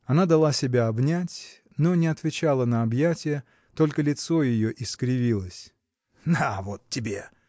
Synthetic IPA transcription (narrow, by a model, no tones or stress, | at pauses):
ɐnad̪ɐlˠasʲɪbʲaɐbnʲætʲ | no̞nʲɪɐt̪vʲɪt͡ɕalˠənəɐbjætʲɪjə | t̪o̞lʲkəlʲɪt̪so̞jɪjoʔɪskɾʲɪvʲilˠəsʲ | d̪avot̪tʲːɪbʲe̞